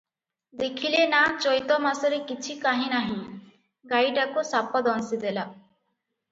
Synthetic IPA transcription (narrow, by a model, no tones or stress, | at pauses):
d̪ekʰilenat͡ʃɔjt̪ɔmasɔɾekit͡ʃʰikaɦĩnaɦĩ | ɡajɖakusapɔd̪ɔnsid̪ela